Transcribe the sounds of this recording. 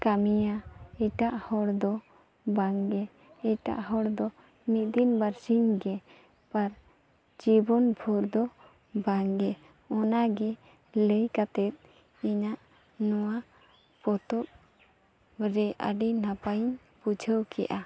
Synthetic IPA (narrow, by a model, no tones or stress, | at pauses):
kamijaɛʈaʔhɔɽd̪ɔ | baŋɡɛ | ɛʈa̰ʔɦɔɽd̪ɔ | mit̪̚d̪inbaɾsiɲɡɛ | paɾ | d͡ʒibɔnbʱuɾd̪ɔ | baŋɡɛ | ɔnaɡɛ | ləjkat̪ɛt̪̚ | iɲaʔ | nɔwa | pɔt̪ɔʔ̚ | ɾɛʔa̰ɖinapaɲ | pud͡ʒʱəwkɛ̰ʔa